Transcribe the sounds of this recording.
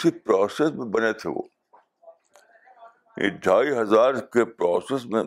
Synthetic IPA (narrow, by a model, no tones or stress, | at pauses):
sipɾɔːsesmẽbɐnet̪ʰeʋo̰ː | ɪ̰ɖʱaːiɦɐzaːɾkepɾɔːsesmẽ